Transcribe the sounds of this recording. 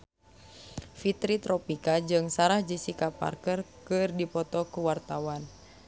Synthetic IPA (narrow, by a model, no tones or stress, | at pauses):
fit̪ɾit̪ɾɔpikad͡ʒɨŋsaɾahd͡ʒisikapa̰rkərkɨrdipɔt̪ɔkuwart̪awan